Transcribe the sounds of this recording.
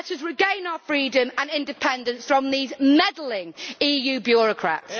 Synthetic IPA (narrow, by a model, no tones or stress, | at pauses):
ətəzɹɪɡẽɪ̃naʊəfɹiːdə̃mə̃nɪ̃ndɪpʰɛ̃ndə̃nsfɹə̃mðiːzmɛdl̩ɪ̃ŋiːjʉːbjɔːɹəkʰɹ̥a̰ts